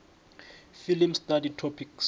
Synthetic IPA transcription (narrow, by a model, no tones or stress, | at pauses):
filimstaditʰɔpʰiks